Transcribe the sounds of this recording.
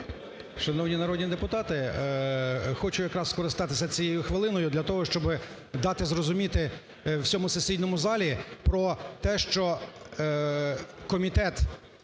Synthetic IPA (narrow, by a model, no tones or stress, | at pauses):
ʃɐnɔwnʲinɐɾɔd̪ʲnʲid̪epʊt̪ɑt̪ɪ | xɔt͡ʃʊjɐkɾɑsskɔɾɪst̪ɑt̪ɪsʲɐt͡sʲijejʊxʋɪlˠɪnɔjʊd̪lʲɐt̪ɔɦɔʃt͡ʃɔbɪ | d̪ɑt̪ɪzrɔzʊmʲit̪ɪ | wsʲɔmʊsesʲijnɔmʊzɑlʲipɾɔt̪ɛʃt͡ʃɔ | kɔmʲit̪ɛt̪